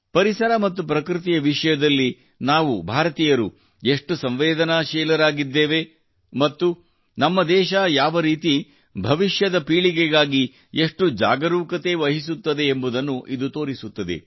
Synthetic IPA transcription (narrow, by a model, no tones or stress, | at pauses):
pɐɾisɐɾɐmɐt̪ːupɾɐkɾɨt̪̬ijɐʋiʂɐjɐd̪ɐlːi | naːʋubʱaːɾɐt̪iːjɐɾu | e̞ʂʈusɐmʋeːd̪ɐnaʃɛːlɐɾaːɡid̪ːeːʋe | mɐt̪ːu | nɐmːɐd̪ɛːʃɐjaːʋɐɾiːt̪i | bʱɐʋiʃjɐd̪ɐpiːɭiɡeɡaːɡi | e̞ʂʈud͡ʒa̰ːɡɐɾuːkɐt̪e̞ʋɐɦisut̪ːɐd̪e̞ːmbud̪ɐnːuʔid̪ut̪o̞ːɾisut̪ːɐd̪ḛ